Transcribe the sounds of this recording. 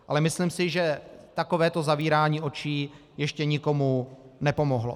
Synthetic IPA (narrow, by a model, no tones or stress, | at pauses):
ʔa̰lɛmɪslɪmsɪʒɛt̪ako̞vɛːt̪o̞zaviːɾaːɲiːo̞t͡ʃiː | jɛʃcɛɲɪko̞munɛpo̞moɦlo̰